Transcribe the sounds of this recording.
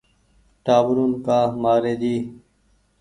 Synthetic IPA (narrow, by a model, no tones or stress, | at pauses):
ʈaːbʊɾuːnkaːmaːɾeːd͡ʑiː